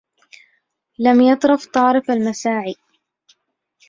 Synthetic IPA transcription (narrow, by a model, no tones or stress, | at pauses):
lamjɑt̪ˤɾʊft̪ˤɑːɾɪfalmasaːʕiː